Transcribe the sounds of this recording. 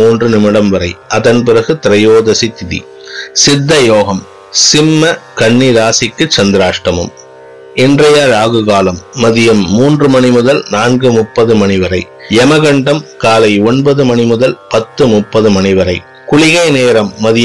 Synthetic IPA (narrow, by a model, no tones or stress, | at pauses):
uːndrɯnɪmɪɽɐmʋɐɾɐɪʔɐðɐnp̬ɪɾɐɣɯt̪ɪɾɐjoːðɐsit̪ɪðḭ | sɪd̪ːɐjoːɣɐm | sɪmːɐkɐɳːiðaːsɪkːɯt͡ʃɐnd̪ɪɾaːʂʈɐmɯ̰m | ɪndrɐjaɾaːɣɯɣaːlɐmːɐðɪjɐmːuːndrɯmɐnɪmʊðɐlnaːnɡɯmʊpːɐðɯmɐnɪʋɐɾɐɪ | ɛmɐɣɐɳɖɐmkaːlɐɪɔɳbɐðɯmɐnɪmʊðɐlpɐt̪ːɯmʊpːɐðɯmɐnɪʋɐɾɐɪ | kʊɭɪɣɐɪneːɾɐmːɐðɪj